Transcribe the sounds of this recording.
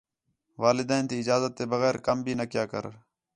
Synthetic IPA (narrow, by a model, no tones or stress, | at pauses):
ʋaːlɪd̪ɛːnt̪iːɪd͡ʒaːzət̪ːeːbəɣɛːɾkəmbʱiːnəkjaːkə̰ɾ